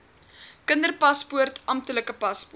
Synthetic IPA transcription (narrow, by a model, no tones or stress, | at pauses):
kəndərpɐspuərtʰɐmtələkəpɐsp